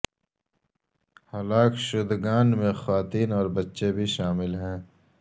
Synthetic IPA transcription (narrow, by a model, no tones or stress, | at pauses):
halaːkʃʊd̪ɡaːnmẽxwaːt̪iːnɔːɾbɐtːʃebʱiʃaːmɪlɦɛ̃ː